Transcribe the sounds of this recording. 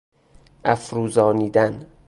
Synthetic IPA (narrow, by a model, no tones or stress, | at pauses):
æfɾuːzɒːniːd̪æn